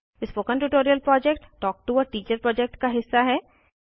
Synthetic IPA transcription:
ɪspoːkə̃nʈuːʈoːɾijəlpɾɔːd͡ʒɛkʈːɔːk̚ʈuɔːɾʈiːt͡ʃəɾpɾɔːd͡ʒɛk̚ʈkaɦɪsːaɦɛː

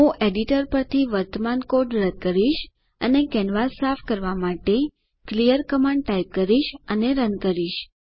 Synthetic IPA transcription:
ɦũʔeɖiʈəɾpəɾt̪ʰiʋəɾt̪əmankoɖɾəd̪̚kəɾiʃ | ənekɛnʋasafkəɾʋamaʈe | klijəɾkəmaɳɖ̚ʈaip̚kəɾiʃəneɾənkəɾiʃ

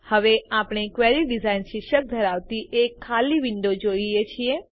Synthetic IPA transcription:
həʋeapɳ̃ekʋɛɾiɖizainʃiʃək̚d̪ʱəɾaʋt̪iʔekʰːaliʋɪɳɖod͡ʒoiet͡ʃʰie

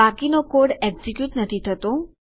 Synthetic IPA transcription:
akinokoɽɛɡzikjuʈnət̪ʰit̪ʰət̪o

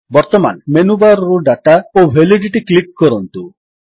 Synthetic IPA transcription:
bɔɾt̪ɔma̰nmenubaɾɔɾuɖaʈaobʱeliɖiʈiklik̚ːɔɾɔnt̪u

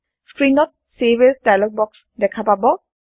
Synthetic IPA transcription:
skɹinɔt̚ | sebesdajlɔk̚bɔks | dɛkʰapabɔ

